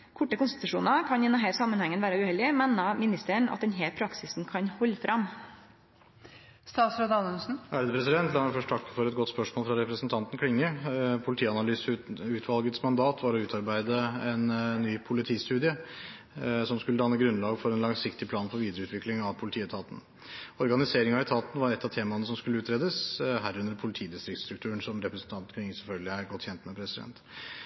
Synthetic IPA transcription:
kʰɔʈːəkʊnst̪ɪt̪ʉʂuːnɑkʰɑnɪnːɔɦæːɾsɑmːənhɛŋːənʋæːɾəʉhɛld̪ɪəmɛnːɑmɪnɪst̪əɳɑ̰t̪d̪ɛnɦeːlpʰɾɑksɪsn̩kʰɑɲhɔlːfɾʔɑm | st̪ɑːsɾoːd̪ɑnlsn̩ʔæɾd̪əpʰɾɛsɪd̪ɛnt̪lɑːfœʂʈt̪ʰɑkːə̥fɔɾɛt̪̚ɡɔt̪spœʂmoːlfɾɑɾɛpɾəsənt̪ʰɑnt̪n̩kʰɽɪŋːəpʰʊlɪt̪iːɑnɑlyːsʉːt̪ʰʋɑlɡət̪smɑnd̪ɑːt̪ʰʋɑɾɔʉːt̪ʰɑɾbæɪd̪əɛnːyːpʰʊlɪt̪ʰiːst̪ʉːd̪ɪə | sɔmskʉlːəd̪ɑnːəɡɾʉnlɑːɡfɔɾɛnlɑŋsɪkt̪ɪpʰlɑːnpʰɔʋiːd̪əɾəʉːt̪ʰʋɪklɪŋɑʋpʰʊlɪt̪ʰiːɛt̪ʰɑːt̪n̩ | ɔɾɡɑnɪseːɾɪŋɑɛt̪ʰɑːt̪nəʋɑɾɛt̪ːɑt̪ʰeːmɑnəsɔmskʉlːəʉːt̪ɾeːd̪əsɦæɾʉnːəɾpʰʊlɪt̪ʰiːd̪ɪst̪ɾɪkt̪st̪ɾʉkt̪ʰʉːɾənsɔmɾɛpɾəsnt̪ɑnt̪n̩kʰɽɪŋːəsɛlfœlɡlɪæɾɡɔt̪ːçɛnt̪mɛpʰɾɛsɪd̪ɛ̰nt̪

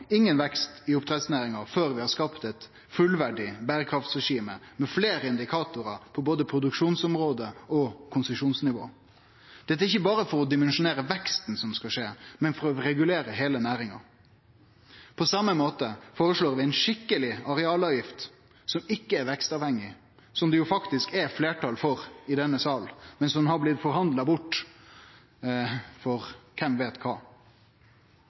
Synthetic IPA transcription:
ɪŋːənʋɛkst̪ɪʊpt̪ʰɾɛd̪snæːɾɪŋɑføːɾʋɪhɑskɑpt̪ɛt̪ | fʉlʋæɖɪbæːɾəkʰɾɑft̪sʁɛʂiːməmɛfleːɾəɪnd̪ɪkʰɑːt̪ʊɾɑpʰɔboːd̪əpʰɾʊd̪ʉkʂuːnsɔmɾoːd̪əɔkʰʊnsʊmʂuːnsnɪʋo̰ː | d̪̥ɛt̪ːæɾɪçəbɑːɾəfɔɾɔd̪ɪmɛnʃʊneːɾəʋɛkst̪n̩sɔmskɑʂeːmɛnfɔɾɔɾɛɡʉleːɾəɦeːlənæːɾɪŋɑ̰ | pʰɔsɑmːəmoːt̪əfoːɾəʂloːɾʋɪæɪnʂɪkːəlɪɑɾɛɑːlɑːʋjɪft̪ | sɔmɪkːəɛɾʋɛkst̪ɑːʋhɛŋːɪ | sɔmd̪ɛjʊfɑkt̪ɪskɛfleːʈʰɑlfɔɾɪd̪ɛnːəsɑːlmɛnsɔmhɑblɪt̪ːfɔɾhɑnd̪lɑbʊʈː | fɔɾkʰɛmʋeːt̪kʰɑː

